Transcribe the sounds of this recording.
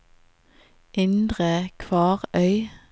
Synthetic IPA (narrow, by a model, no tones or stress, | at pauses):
ʔɪnd̪ʁəkʰʋɑːʁœʏ